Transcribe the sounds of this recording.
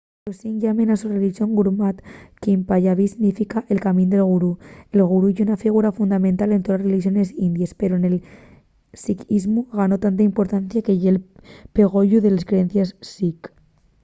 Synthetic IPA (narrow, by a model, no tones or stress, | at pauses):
osiŋʎamenasureliʒioŋɡuɾmat̪kimpaʎaβisinnifikaʔelkamind̪elɣ̞uɾuelɣuɾuunafiɣ̞uɾafund̪amẽnt̪alent̪oðsreliʒionesind̪jespeɾoenel | sikizmuɣanot̪ant̪aimpuɾt̪anθjakejelpeɣoʎuðeleskɾeenθjesːik